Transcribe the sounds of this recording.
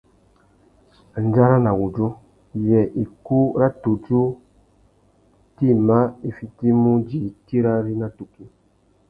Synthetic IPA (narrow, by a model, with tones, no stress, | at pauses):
n˨˦d͡ʒa˦ɾa˦na˨wu˨d͡ʒo˦ | jɛ˨ʔi˨ku˦ɾa˦tu˨d͡ʒu˦ | ti˦˨ma˦i˨fi˦ti˦mu˦d͡ʒi˨˦ti˦ɾa˦ɾi˦na˦tu˨ki˦